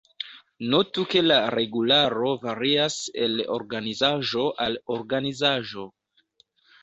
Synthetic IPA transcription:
notuke̞laɾe̞ɡulaɾo̞vaɾiase̞̰lo̰ɾɡanizaʒo̞ʔaloɾɡanizaʒo̞

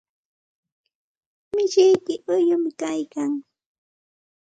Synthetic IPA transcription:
mɪʃɪjkɪʔʊjʊmɪkajkaŋ

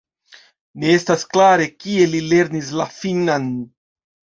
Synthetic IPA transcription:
neestasklaɾe̞kie̞lile̞ɾnis̬lafinan

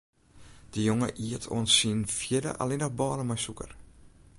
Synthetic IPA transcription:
d̥əjoŋə̰ʔiətʰo̰ənsinfjɪdə̰ʔa̰lenɔxbɑːləmɔjsukə̰r

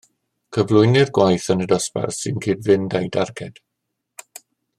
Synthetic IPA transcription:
kʰəvlˠʊjnɪrɡwajθənədɔspɛ̰rsɪnkʰɪːdvɪndajdarkʰɛd̥

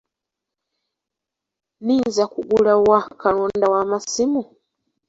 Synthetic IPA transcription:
ninzakuɡulawakaɺondawamasimu

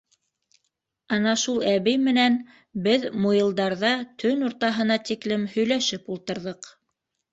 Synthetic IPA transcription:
ɑnɑʃulˠæβɘjmɘ̆næn | bɘðmujĭlˠd̪ɑɾðɑt̪ʰɵnuɾt̪ɑɦɤ̆nɑt̪iklɘmhɵ̆jlæʃɘpulˠt̪ɤ̆ɾðɤq

